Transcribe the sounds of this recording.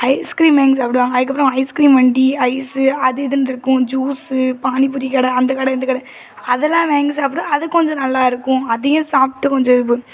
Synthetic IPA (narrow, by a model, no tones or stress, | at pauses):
ɐɪskɾiːnʋeːŋɡsɐpɐɽiʋaːŋɡɐðɯkːɐpːɐɾɐ̃ɦɐɪskɾiːnʋɐɳɖiɐɪsɯɐðɯɪðɯnɪɾɯkːʊ̃d͡ʒuːspaːnip̬ːʊɾɪkɐːɽɐɐnd̪ɐkɐːɽɐɪnd̪ɐkɐːɽɐ | ɐðɛlːãːʋeːŋɡsap̬ɐɽɐ̃ɐðɯkːɔɲd͡ʒɔ̃nɐlːaːɪɾɯkːʊ̃ɐðɐjʊ̃saːp̚ʈːɯkɔɲd͡ʒɔ̃ɯpːɯ